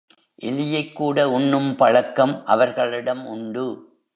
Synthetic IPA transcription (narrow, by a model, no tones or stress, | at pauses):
ʔɪlɪjɐɪkːuːɽɐʊɳːɯmpɐɻɐkːɐmʔɐʋɐɾɣɐɭɪɽɐmʊɳɖɯ